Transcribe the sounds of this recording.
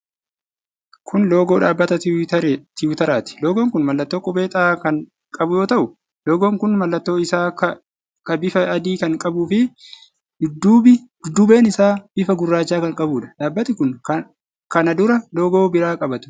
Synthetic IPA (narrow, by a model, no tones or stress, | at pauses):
kʰʊnloːɡo̞ːᶑaːbːɐt̪ɐt̪ɪt̪ɐɾt̪ɪʊt̪ɐɾaːt̪ɪ̥loːɡoŋkʊnmɐlːɐt̪ːo̞ːkʼʊbe̞ːt̪ʼaːkɐŋ | kʼɐbʊjo̞ːt̪ɐʔʊ | loːɡoːŋkʊnmɐlːɐt̪ːo̞ːɪsaː | kɐbɪfɐɐd̪iːkɐŋkʼɐbʊfɪ | d̪̥ʊd̪ːuːbɪd̪̥ʊd̪ːuːbe̞ːnɪsaːb̥ɪfɐɡʊrːaːt͡ʃːaːkɐŋkʼɐbuːᶑɐ̥ᶑaːbːɐt̪ɪkʊn | kɐnɐd̪ʊɾɐlo̞ːɡo̞ːbɪɾaːkʼɐbɐt̪ʊ̥